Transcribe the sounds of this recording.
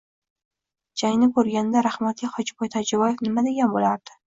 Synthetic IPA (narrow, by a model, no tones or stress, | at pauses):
d͡ʒajnɪkʰɵɾɡʲanɪd̪aɾahmat̪iχɒd͡ʒɪbɒjt̪ʰad͡ʒabɒjefnɪmad̪eɡʲambolaɾd̪̥ɪ̥